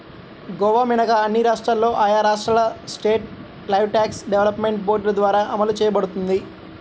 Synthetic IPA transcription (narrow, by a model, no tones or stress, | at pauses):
ɡɔʋaːminɐɡaɐnːiɾaːʂʈɾaːlːo̞ːʔɐːjaːɾaːʂʈɾɐlɐsʈeːʈ̚ | lɐjʋʈaːksɖeʋelɐpmeɳʈ̚boːɖlɐd̪ʋaːɾaːʔɐmɐlut͡ʃɛːjɐbɐɽut̪und̪i